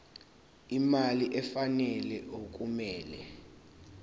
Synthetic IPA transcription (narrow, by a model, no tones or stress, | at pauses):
imaliʔɛfanɛlɛʔok̬ʼumɛːlɛ